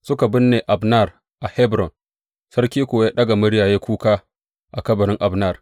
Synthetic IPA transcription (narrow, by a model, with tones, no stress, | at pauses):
sʊ˦ka˨bʊ˦nːeː˨ʔa˨bna˦˨r | ʔa˨hɛ˦bɾɔ˨n | sɐ˦rkʲiː˦kʷoː˨ja˦ɗɐ˦ɡa˨mʊ˦ɽjaː˨jeː˦kʷuː˦kaː˦ | ʔa˨kɐ˦bɐ˨ɾɪ˦ŋʔa˨bna˦˨r